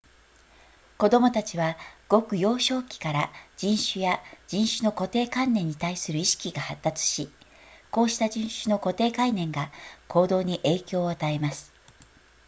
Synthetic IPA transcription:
ko̞d̪o̞mo̞t̪at͡ɕiβaɡ̥o̞kɯ̟jo̞ːɕo̞ːkʲi̥kaɾad͡ʑĩɰ̃ɕɨjad͡ʑĩɰ̃ɕɨno̞ko̞t̪e̞ːkãnːẽ̞ɲ̟ːit̪aisɨɾɯ̟iɕi̥kʲiɡahat̪ːat͡sɨ̥ɕiko̞ːɕi̥t̪ad͡ʑĩɰ̃ɕɨno̞ko̞t̪e̞ːkainẽ̞ŋɡakʰo̞ːd̪o̞ːɲ̟iʔe̞ːkʲo̞ːat̪ae̞masɨ̥

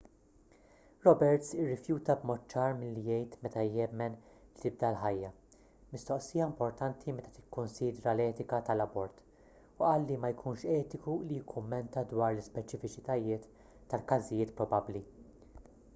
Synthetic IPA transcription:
ɾɔbɛɾt̪sɪrːɪfjuːt̪ɐbmɔːt̪̚ːt͡ʃɐːɾmɪlːijɛjt̪mɛt̪ɐjɛmːɛnlit̪ɪb̚d̪ɐlħɐjːɐ | mɪst̪ɔʔsijɐɪmpɔɾt̪ɐnt̪ʰimɛt̪ɐ̥t̪ɪ̥kːʊnsiːd̪ɾɐlɛːt̪ɪkɐt̪ɐlɐbɔɾt̪ | ʊʔɐːlːimɐjkʰuːnʃɛːt̪ɪkulijɪkʰːʊmːɛnt̪ɐd̪wɐːɾlɪspɛt͡ʃɪfɪt͡ʃɪt̪ɐjɪːt̪ː | ɐlkɐzɪjɪːt̪pɾɔbɐbli

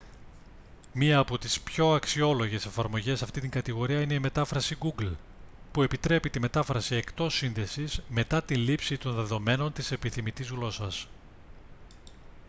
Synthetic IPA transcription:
miɐːpo̞t̪ispço̞ɐksio̞lo̞ʝe̞se̞fɐɾmo̞ʝe̞sːɐft̪int̪iŋɡɐt̪iɣo̞ɾiɐineime̞t̪ɐfɾɐsiɡuɡl | pue̞pit̪ɾe̞pit̪ime̞t̪ɐfɾɐsie̞kt̪o̞sːinðe̞sizme̞t̪ɐt̪ilipsit̪o̞nðe̞ðo̞me̞no̞nt̪ise̞piθimit̪izɣlo̞sɐs

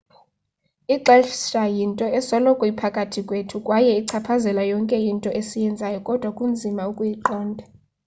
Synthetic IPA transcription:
iǃɛɬʃajintʼɔɛsɔlɔkʼwipʰakʼatʰikʼwetʰukʼwajɛiǀʰapʰazɛlajɔŋkʼɛjintʼɔʔesijɛnd͡zʱajɔkʼɔd̥ʱwakʼund͡zʱimaukʼujiǃɔːndʱa

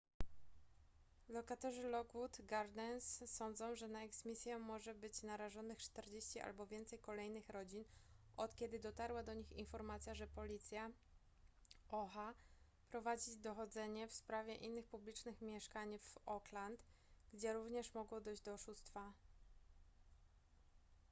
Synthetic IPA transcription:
lɔkat̪ɔʐɘlɔɡwut̪ɡaɾd̪ɛnsːɔnd̪zɔ̃w̃ʐɛnaɛɡsmʲisʲjɛmːɔʐɛbɘt͡ɕnaɾaʐɔnɘxt͡ʂt̪ɛɾd͡ʑeɕt͡ɕiʔa̰lbɔvʲjɛnt̪sɛjkɔlɛjnɘxɾɔd͡ʑinʔɔt̪kʲɛd̪ɘd̪ɔt̪aɾwad̪ɔɲixinfɔɾmat̪sʲjaʐɛpɔlʲit̪sʲja | ɔxa | pɾɔvad͡ʑid̪ɔxɔd̪zɛɲɛfspɾavʲjɛʔinːɘxpublʲit͡ʂnɘxmʲjɛʂkaɲvɔklant̪ | ɡd͡ʑɛɾuvɲɛʂmɔɡwɔd̪ɔjʑd͡ʑd̪ɔːʂust̪fa

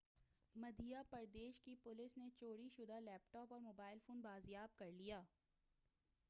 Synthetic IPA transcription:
mɐd̪ijapɐɾd̪eːʃkipʊlɪsnet͡ʃoːɽiʃʊd̪ʱalɛːpʈɔːpɔːɾmoːbaːɪlfoːnbaːzjaːb̚kɐɾlijaː

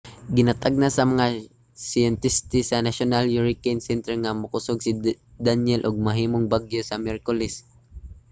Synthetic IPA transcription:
ɡɪnat̪aɡ̚nasɐmɐŋa | sɪjɛnt̪ɪst̪ɪsɐnaʃonaljuɹɪkɛnsɛnt̪ɛɹŋamʊkʊsoɡsɪ | d̪anjɛlʔoɡ̚mɐɦiːmoŋbaɡjosɐmɛɾkʊlɛs

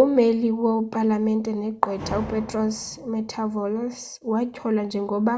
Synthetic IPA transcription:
umeliwɔpʼalamɛntʼɛnɛɡ͡ǃʱwɛtʰʼaupʼɛtʼrɔsmɛtʰavɔlɔs | wacʰɔland͡ʒʱɛŋɡʱɔɓa

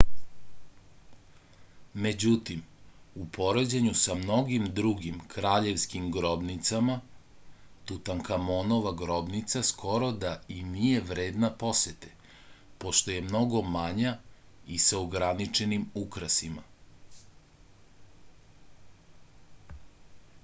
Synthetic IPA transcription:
me̞d͡ʑut̪imupo̞ɾed͡ʑeɲusamno̞ɡimd̪ɾuɡimkɾaːʎe̞ʋskimɡɾo̞bnit̪sama | t̪ut̪aŋkamonoʋaɡɾo̞bnit̪saskʰo̞ɾo̞d̪ainije̞ʋɾe̞ːd̪napo̞set̪e̥ | po̞ʃt̪oje̞mno̞ɡo̞maɲaisaoɡɾanit͡ʃe̞nimukɾasima

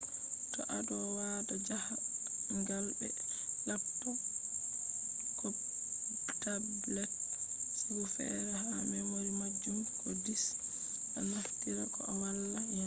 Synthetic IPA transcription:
tɔ̰ʔadɔwadad͡ʒaha | ŋɡalbɛ | lapːɔ | kɔ | tab | lɛt̚sabufɛ̰ɾɛɦamɛmoɾimad͡ʒːumkɔdis | ʔanaftiɾakɔ̰awalːajɔ

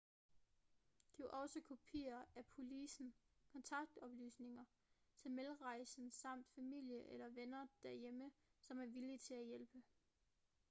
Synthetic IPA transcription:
d̥iʔɒ̽səkʰo̝pʰiːɐæpʰo̝lisn̩kʰɒ̽nt͡sʰɑ̈ɡ̥̚d̥ɒ̽b̥ly̰ːsne̝ŋɐ | t͡sʰe̝lmelʁɑ̈ɪsn̩sɑ̈m̰d̥fæmil̰jəʔelɐʋenɐd̥æɐjeməsɒ̽mæɐʋilit͡sʰe̝læjelb̥ə

